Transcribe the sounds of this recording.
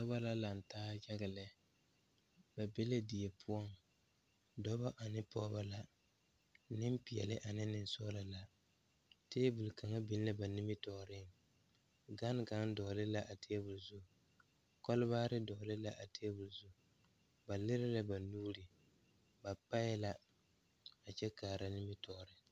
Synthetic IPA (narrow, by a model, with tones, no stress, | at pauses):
sɔ˦ba˦la˦la˨n˨taː˦d͡ʒa˦ɣɪ˨lɛ˨ | b̥a˨be˦la˦di˨je˨pʰʊ˦ɔ˦ŋ | dɔ˦ba˦ʔa˨nɪ˦pɔ˦ba˦la˦ | nɪ˦m˦pi˨jɛ̰˨lɪ˦ʔa˨nɪ˦nɪ˨nsɔ˦la˨la˨ | teː˦bu˨lka˨ŋa˦bɪ˦n˦la˦ba˨nɪ˦mɪ˦tɔ˨ɾɪ˦ŋ | ɡa˦n˦ɡa˦ŋ˦dɔ˨lɪ˦la˦ʔa˨tʰeː˦bu˨lzʊ˦˨ | kɔ˦lʊ˦baː˦ɾɪ˦dɔ˨lɪ˦la˦ʔa˨teː˦bʊ˨lzʊ˦˨ | ba˨lɪ˦ɾɪ˦la˦ba˨nuː˦ɾɪ˨ | ba˨pa˦jla˦ | a˨t͡ʃɛ˦kaː˨ɾa˨nɪ˦mɪ˦tʰɔ˨ɾɪ˦